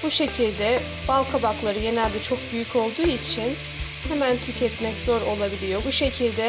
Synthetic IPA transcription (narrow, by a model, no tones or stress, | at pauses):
buʃe̞cʰilʲd̪ɛ | balˠkʰabaklˠaɾɯje̞nɛlʲd̪ɛt͡ʃʰo̞k̚byjycʰo̞lˠd̪uːit͡ʃʰin | hemænt̪ʰycʰɛt̪mɛczo̞ɾo̞lˠabilʲijo̞buʃe̞cʰilʲd̪ɛ